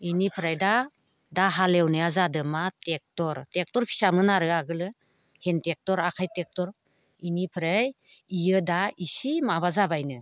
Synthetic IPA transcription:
inipʰɾajda | daɦalewnɯjazadɯmatek̚tɔɾtek̚tɔɾpʰi̥samɯnaɾɯaɡɯlɯ | hentek̚tɔɾakʰajtek̚tɔɾ | inipʰɾej | ijɯdaisimaβazabajnɯ

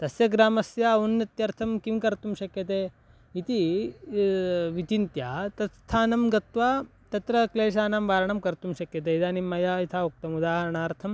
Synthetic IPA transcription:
t̪ɐsjɐɡɾaːmɐsjaɐunjɐt̪jɐɾt̪ʰɐmkimkɐɾt̪umɕɐkjɐt̪̬eː | it̪i | ʋit͡ʃint̪jat̪ɐst̪ʰaːnɐmɡɐt̪ʋaː | t̪ɐt̪ɾɐkleːʃ̬aːnamʋaːɾɐɳɐmkɐɾt̪umɕɐkjɐt̪eːid̪aːnimɐjait̪ʰaːuk̚t̪ɐmud̪aːɦɐɾɐɳaːɾt̪ʰɐm

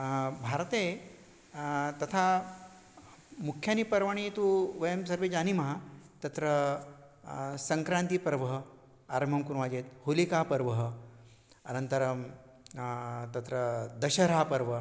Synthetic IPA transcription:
bʱaɾt̪e | t̪ɐt̪ʰa | mukʰjanipɐɾʋaɽ̃it̪uʋɐjəmsɐɾʋed͡ʒanimɐɦat̪ɐt̪ɾə | sɐŋkɾant̪ipɾɐʋəɦə | aɾm̤ɐmkuɾʋad͡ʑet̪̚hulikapɐɾʋɐɦə | ɐnɐnt̪ɐɾə | t̪ɐt̪ɾəd̪ɐɕɐɾaːpɐɾʋə

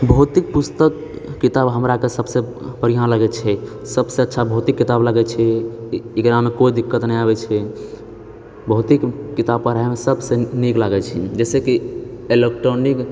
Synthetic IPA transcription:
bʱəɦut̪ik̚pust̪əkː | it̪abɦəmɾakesəbsẽ | pəɾiɦãnləɡɛt͡ʃʰɛ | səbseətːʃʰabʱəɦut̪ikːit̪abləɡɛt͡ʃʰɛ | ikɾamekoid̪ikːət̪nəiaβɛt͡ʃʰɛ | bəɦut̪ikːit̪abpːəɾaɦemesəbsẽniklaɡɛt͡ʃʰid͡ʒɛsekielek̚ʈɾonik

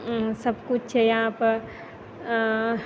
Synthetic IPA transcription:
səbkut͡ʃʰt͡ʃʰɛjɐɦãpəɾ

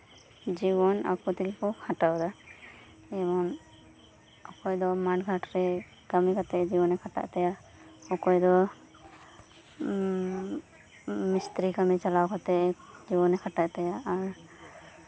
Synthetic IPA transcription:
d͡ʒibɔna̰kut̪ilkɔkʰaʈawd̪a | ɛbɔn | ɔkɔjd̪ɔmaʈɡʱaʈɾɛ | kamikat̪ɛʔd͡ʒibɔnɛkʰata̰ʔt̪ɛja | ɔkɔjd̪ɔ | mist̪ɾikamit͡ʃalawkat̪ɛʔd͡ʒibɔnɛkʰaʈaʔt̪ɛjaʔːɹ

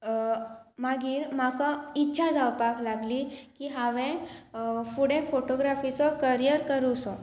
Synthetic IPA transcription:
maɡiːɾmakaitːɕʰad͡zawpaklaɡlikiɦaʋẽ | fuɽẽfoʈoɡɾafit͡sɔkəɾijəɾkəɾusɔ

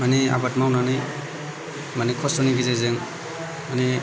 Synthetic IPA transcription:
mania̰batmawnanɯj | manikʰɔsɔniɡizezeŋ | mani

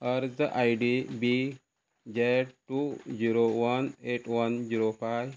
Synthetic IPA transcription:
əɾzəʔajɖibi | d͡ʒeʈud͡ʒiɾowɐneʈwɐnd͡ʒiɾopaj

